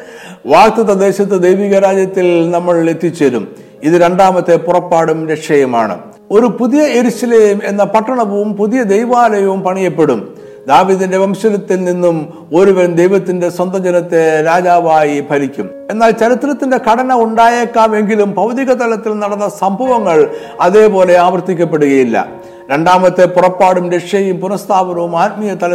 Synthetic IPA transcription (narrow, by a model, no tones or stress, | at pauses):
ʋaːk̚t̪ɐðɐd̪e̞ːɕɐt̪ːɨd̪ejʋiːɣɐɾaːd͡ʑjɐt̪ːilnɐmːɐɭet̪ːit͡ɕːeɾṵm | iðɨɾe̞ɳɖaːmɐt̪ːe̞purɐpːaːɽumɾekʂɐjɐma̰ːɳɨ̰ | o̞ɾupuðijɐeɾuɕɐleme̞nːɐpɐʈːɐɳɐʋɐʋumpuðijɐd̪ejʋaːlɐjɐʋumpɐɳijɐpːe̞ɽum | d̪aːʋiːðinde̞ʋɐmɕɐlɐt̪ːilninːum | o̞ɾuʋɐɾɐmd̪ejʋɐt̪ːinde̞swɐnd̪ɐd͡ʑɐnɐt̪ːeɾaːd͡ʑaːʋaːjibʱɐɾikʲːum | e̞nːaːlt͡ɕɐɾit̪ːrɐt̪ːinde̞kɐɽɐnɐuɳɖaːjekːaːme̞ŋɡilumpɐʋd̪iɣɐt̪ɐlɐt̪ːilnɐɽɐnːɐsɐmbʱɐʋɐŋːɐɭ | ɐðe̞ːpo̞ːle̞aːʋɐrt̪ikʲːɐp̬ːe̞ɽuɣɐjilːɐ̰ | ɾe̞ɳɖaːmɐt̪ːepurɐpːaːɽumɾeʂjɐjumpunɐst̪ʰaːbɐnɐʋumaːt̪̚mijɐt̪ɐlɐ